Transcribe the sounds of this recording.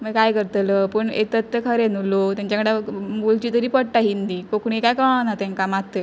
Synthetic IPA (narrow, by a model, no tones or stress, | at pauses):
məɡkajkəɾt̪ələpəɳḛt̪ət̪ːəkʰəɾenulot̪jaɲt͡ɕakəɽamult͡ɕiːt̪əɾiːpəɽʈaɦind̪iːkokɳ̃ikajkəɭanat̪ɛ̃ŋkamat̪ːə